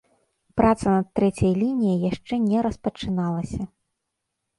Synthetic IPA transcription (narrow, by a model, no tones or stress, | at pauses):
pɾʔat̪sɐnɐt̪ːɾɛt͡sʲɐjlʲinʲijɐjjaʂt͡ʂɛnʲɛɾɐspɐt͡ʂɨnalˠɐsʲɐ